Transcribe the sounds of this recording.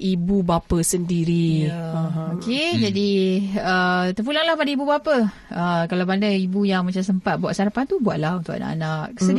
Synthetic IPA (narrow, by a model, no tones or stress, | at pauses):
ʔibubapəsəndiɾi | oked͡ʒadiət̪ərp̬ulaŋlahpadaibubapa | əkalabandaibujaŋmat͡ʃams̬əmpat̪̚buaʔsaɾapant̪ubuaʔ̪̚lahunt̪uʔa̰na̰ʔa̰naʔsə